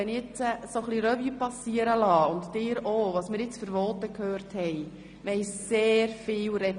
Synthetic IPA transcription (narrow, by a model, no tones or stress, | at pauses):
ɛnɪɪt͡səsoχliɾɛvyːpɑsiəɾəlɑːʊntd̥ɪːɾoʋɑsmɪːɾjɪt͡sfəɾvɔːt̪əkʰhøːrthɛj | mɛɪseːɾfɪːlɾɛ